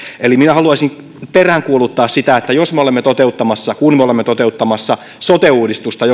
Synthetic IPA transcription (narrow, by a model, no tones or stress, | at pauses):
eliminæhɑluɑisiŋ | peræŋkuolut̪ːɑːssit̪æet̪ːæjosmeolemːet̪ot̪eut̪ːɑmɑsːɑkunmeolemːet̪ot̪eut̪ːɑmɑsːɑ | sot̪euːdist̪ust̪ɑjo